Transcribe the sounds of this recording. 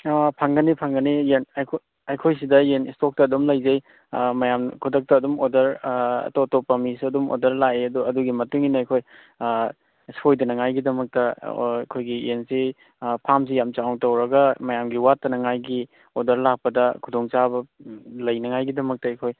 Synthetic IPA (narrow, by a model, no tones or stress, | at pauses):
pʰaŋɡɐnipʰaŋɡɐnijenjkʰo | ɐjkʰojsidɐenistok̚tɐːdomlɐjzɐj | mɐjamkʰudɐk̚tɐːdumodɐɾɐ̰totopːɐmisɐdumo̰dɐɾlajeɐduɐduɡimɐtuŋinɐːjkʰoj | sojdɐnɐŋajɡidɐmɐk̚tɐkʰojɡiensi | pʰams̬ijamt͡ʃaɔŋtɐwɾɐɡɐmɐjamɡiwatːɐnɐŋajɡi | odɐɾlak̚pɐdɐkʰudɔŋt͡ʃabɐlɐjnɐŋajɡidɐmɐk̚tɐːjkʰoj